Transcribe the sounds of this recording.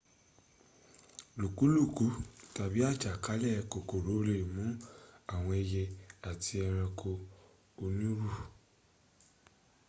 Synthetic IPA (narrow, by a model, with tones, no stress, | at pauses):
lu˨ku˨˦lu˦˨ku˨˦ta˨bi˦a˦˨d͡ʒa˨ka˨˦lɛ˦˧ko˨ko˨ɾo˨˦o˦˧le˨mũ˨˦a˦˨w̃ɔ̃˧e˧je˧a˨tʰi˧ɛ˧ɾɛ˧kʰo˧ | o˧nũ˦ɾu˦˨